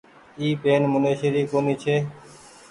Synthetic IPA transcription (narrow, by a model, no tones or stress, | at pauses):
iːpeːnmʊneːʃeːɾiːkoːniːt͡ʃʰeː